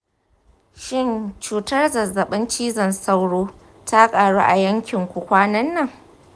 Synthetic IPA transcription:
ʃɪ˦nt͡ʃuː˨tɐ˦rzɐ˨zːɐ˨ɓɪ˦nt͡ʃiː˦zɐ˨nsa˦wɽoː˦ | ta˦kʼaː˨ɽuː˦ʔa˨jɐ˦ŋkʲɪ˨ŋkʷʊ˨kʷaː˦nɐ˦nːɐ˦˨ŋ

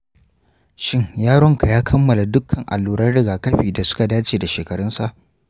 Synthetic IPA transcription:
ʃɪ˦ŋjaː˦ɽɔ˦ŋka˨jaː˦kʰɐ˦mːɐ˨la˨dʊ˦kʰːɐ˨ŋʔa̰˨lːuː˨ɽɐ˦rɽɪ˨ɡaː˨kɐ˦ɸiː˨da˨sʊ̥˦ka˨daː˦t͡ʃeː˨da˨ʃeː˨kɐ˨ɽɔ˦nsa˨ʔ

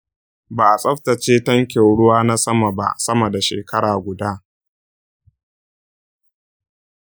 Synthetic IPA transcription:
baː˨ʔa˨sʼɐ˦ɸtɐ˨t͡ʃeː˦tɐ˦ŋkʲe˨wɽʊ˦waː˦na˦sɐ˦ma˨ba̰˦sɐ˦mɐ˨da˨ʃḛː˨kɐ˦ɽaː˨ɡʷʊ˨daː˦

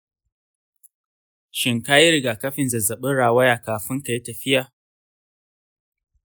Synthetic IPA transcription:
ʃɪ˨ŋkaː˦ji˦ɾɪ˨ɡaː˨kɐ˦ɸɪ˨nzɐ˨zɐ˨ɓɪ˦ɽaː˨wɐ˦jaː˨kaː˨ɸɪ˦ŋka˨ji˦tɐ˨ɸɪ˦jaː˨

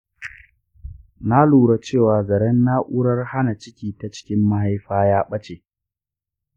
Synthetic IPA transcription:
na˦luː˨ɽa˦t͡ʃeː˦˨waː˨zɐ˨ɽɛ˦nːa˦ʔu˦ɽɐ˦rha˦na˨t͡ʃɪ˦kʲiː˨ta˨t͡ʃɪ̥˦kʲɪ˦mːa˦ha˦jɸaː˦jaː˦ɓɐ˦t͡ʃeː˨

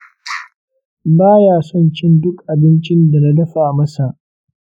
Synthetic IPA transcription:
baː˦jaː˨sɔ˦˨nt͡ʃɪ˦ndʊ˦kʔa˨bɪ˦nt͡ʃɪ˦nda˨na˦dɐ˦ɸa˨mɐ˦sa˨ʔ

